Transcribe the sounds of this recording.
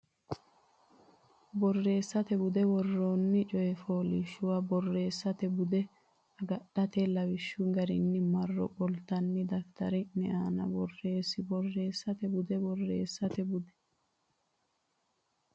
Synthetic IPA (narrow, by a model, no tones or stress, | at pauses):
bɔrːe̞ːsːɐt̪ɛbʊd̪ɛbɔrːoːnːɪt͡ʃʼɔjɛfoːlɪʃːʊwɐbɔrːe̞ːsːɐt̪ɛbʊd̪ɛ | ɐɡɐɗːɐt̪ɛlɐwɪʃːʊɡɐɾɪ̰nːɪmɐrːɔ̰bɔlt̪ɐnːɪd̪ɐkt̪ɐ̰ɾɪnɛʔaːnɐ̰bɔrːe̞ːsːɪbɔrːe̞ːsːɐt̪ɛbʊd̪ɛbɔrːḛːsːɐt̪ɛbʊd̪ɛ̥